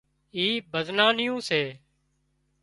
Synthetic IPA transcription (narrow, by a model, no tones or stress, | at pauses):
iːbʱəznaːnɪjõːseː